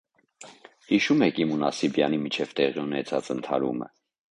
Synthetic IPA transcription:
hiʃumɛkʰimunɑsibjɑnimit͡ʃʰɛvt̪ɛʁiunɛt͡sʰɑt͡sənt̪ʰɑɾṵmə̰

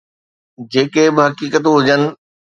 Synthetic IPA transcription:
d͡ʑeːkebɪɦɐkiːkət̪ɦʊd͡ʑənɪ̆

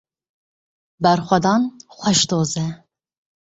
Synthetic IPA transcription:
bɛɾxʷɛd̪ɑnxʷɛʃt̪oːzɛ

